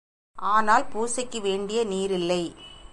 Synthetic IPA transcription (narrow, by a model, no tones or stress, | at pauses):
ʔaːnaːlpuːsɐkːɯʋeːɳɖɪjɐniːɾɪlːɐɪ